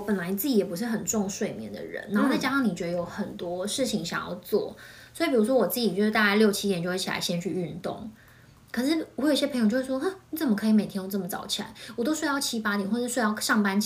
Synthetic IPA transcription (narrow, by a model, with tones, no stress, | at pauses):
pə˨˩nla˧˥ɪni˧t͡sɹ̩˥˩t͡ɕi˨˩jɛ˨˩pu˧˥ʂ̬ɻ̩˥˩xə˨˩nʈ͡ʂʊ˥˧ŋʂwe˥˩ɪmjɛ̰˧˥nd̪ə̰˨ɻə̰˧˦na˨˧˥xo˥˧t͡sa˥˩t͡ɕja˥ɑ˥ŋni˨˩t͡ɕɥɛ˧d̪ə˧jo˧˥ʊxə˨˩nt̪wɔ˥ʂɻ̩˥˩t͡ɕʰi˧˥ŋɕjɑ˨˩ŋjɑ̰˥˧ʊt͡swɔ̰˥˩swɔ˧˥i˨˩pi˨ɻu˧˥ʂwɔ˥wɔ˨˩t͡sɹ̩˥˩t͡ɕi˨˩t͡ɕjʂɻ̩˥˩t̪a˥˧˩t͡ɕa˥˧ɪljo˥˩ʊt͡ɕʰi˥jɛ˨˩nt͡ɕo˥˧ʊwe˥˩t͡ɕʰla̰˧˦ɪɕjɛ˥nt͡ɕʰy˥˧y˥˧nt̪ʊ̰˥˩ŋ | kʰɤ˨˩ʂ̬ɻ̩˥˩ɔ˨˧xi˥˩ɕɛ˥pʰjŋt͡ɕo˥˧˥ʂʂwɔ˥ə˥˩ni˨˥t͡sə˨˩mə˩kʰɤ˧˥i˧˥me˨˩t̪ʰjɛ˥nwɔ˨˩t͡sə˥˩mə˩t͡sɑ̰˧˩ʊt͡ɕʰi˨˩la̰˧˥ɪwɔ˨˩t̪o˥ʊʂwe˥˧jɑ˥˧ʊt͡ɕʰi˥pa˥t̪jnxwʂ̩˥ʂwe˥˧jɑ˥˧ʊʂɑ˥˩ŋpa˥n